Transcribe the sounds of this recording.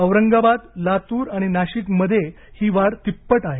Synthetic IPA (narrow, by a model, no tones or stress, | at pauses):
əʋɾəŋɡabad̪lat̪uːɾaɽ̃inaɕiːt̪məd̪ʱje | hiːʋaɾt̪ipːəʈaɦe